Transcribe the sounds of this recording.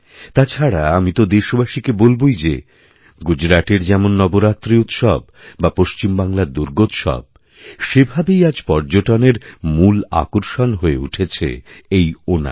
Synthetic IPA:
t̪at͡ɕʰaɽaamit̪od̪eʃobaʃikebolbojd͡ʑḛ | ɡud͡ʑɾaʈeɾd͡ʑɛmonːɔboɾat̪ːɾiut̪ʃɔbː | apoʃt͡ɕimbaŋlaɾd̪uɾɡot̪ʃɔ̰b̚ | ʃebʱabejad͡ʑpɔɾd͡ʑoʈoneɾmula̰koɾʃonɦoeuʈʰet͡ɕʰḛejona̰

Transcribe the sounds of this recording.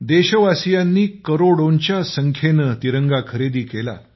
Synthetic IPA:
d̪eɕəʋasijanːiːkəɾoɽont͡ɕjasəŋkʰenət̪iɾəŋɡakʰəɾed̪iːkela̰

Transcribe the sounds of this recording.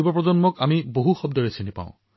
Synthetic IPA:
ibɔpɹɔzɔnmɔkamiboɦuxɔb̚dɔɹesinipa̰ʊ̃

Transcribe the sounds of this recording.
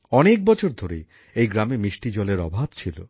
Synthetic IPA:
ɔnek̚bɔt͡ɕʰoɾd̪ʱoɾḛ | ejɡɾamemiʃʈid͡ʑɔleɾɔ̰bʱabt͡ɕʰilo̰

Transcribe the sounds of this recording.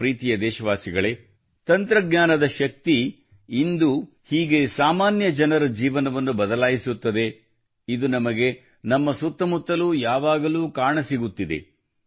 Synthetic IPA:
ɾiːt̪ijɐd̪ɛːʃɐʋaːsiɡɐɭe | t̪ɐnt̪ɾɐɡɲaːnɐd̪ɐʃɐk̚t̪i | ind̪u | hiːɡe̞saːmaːnjɐd͡ʒɐnɐɾɐd͡ʒiːʋɐnɐʋɐnːubɐd̪ɐlaːjisut̪ːɐd̪e̞ | id̪unɐmɐɡe̞ | nɐmːɐsut̪ːɐmut̪ːɐluːjaːʋaːɡɐluːkaːɳɐsiɡut̪ːid̪ḛ

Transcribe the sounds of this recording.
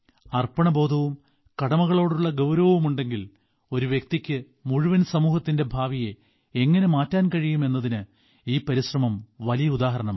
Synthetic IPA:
ɐrpɐɳɐbo̞ːd̪ʱɐʋum | kɐɽɐmɐɣɐɭo̞ːɽuɭːɐɡɐwɾɐʋɐʋumuɳɖe̞ŋɡil | o̞ɾuʋjek̚t̪ikʲːɨ | muɻuʋɐnsɐmuːhɐt̪ːinde̞bʱaːʋije | eŋːɐne̞maːtːaːnkɐɻijume̞nːɐðinɨ | iːpɐɾiɕrɐmɐmʋɐlijɐud̪aːɦɐɾɐɳɐm

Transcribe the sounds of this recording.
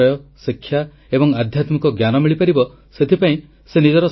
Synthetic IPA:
ɔjɔsikʰːja | ebɔŋad̪ʱjat̪mikɔɡjanɔmiɭipaɾibɔ | set̪ʰipaĩ | senid͡ʒɔɾɔ

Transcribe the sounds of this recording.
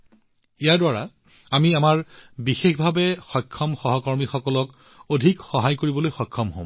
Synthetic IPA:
ijaɹdwaɹa̰ | amiamaɹbixexbʱabɛxɔjkʰːɔmxɔɦɔkɔɹmixɔkɔlɔk | odʱikxɔɦajkoɹibɔlojxɔjkʰːɔmɦõ̰

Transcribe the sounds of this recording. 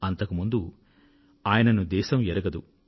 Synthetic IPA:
ɐnt̪ɐkumund̪u | aːjɐnɐnud̪ɛːʃɐmɛɾɐɡɐd̪u

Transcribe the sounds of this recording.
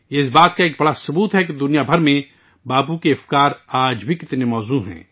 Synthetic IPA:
jeɪs̬baːt̪kaeːk̚bɐɽasʊbuːt̪ɦɛked̪ʊnijabʱɐɾmẽ | baːbukeɐfkaːɾaːd͡ʒbʱikɪt̪nemɔːzuɦɛ̰̃ː

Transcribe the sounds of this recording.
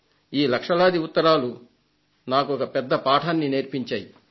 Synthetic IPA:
iːlɐkʂɐlaːd̪iut̪ːɐɾaːlu | naːkuɔkɐpɛd̪ːɐpaːʈʰaːnːine̞ːɾpiɲt͡ʃaːji

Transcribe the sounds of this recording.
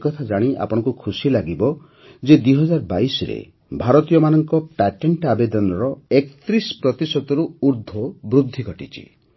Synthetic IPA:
kɔt̪ʰad͡ʒaɽ̃iʔa̰pɔɽ̃ɔ̃ŋkukʰusilaɡibɔ | d͡ʒed̪wiɦɔd͡ʒaɾbaisɔɾḛ | bʱaɾɔt̪ijɔmanɔŋkɔpɛʈeɳʈabed̪ɔnɔɾɔekt̪ɾispɾɔt̪isɔt̪ɔɾuuɾd̪ʱɔbɾud̪ʱːiɡʱɔʈit͡ʃʰḭ

